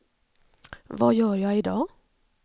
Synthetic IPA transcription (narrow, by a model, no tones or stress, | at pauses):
ʋɑ̰ːjøːɾjæɪɪd̪ɑː